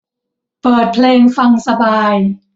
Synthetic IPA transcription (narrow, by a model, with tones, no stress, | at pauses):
pɤː˨˩t̪̚pʰleː˧ŋfa˧ŋsa˧baː˧j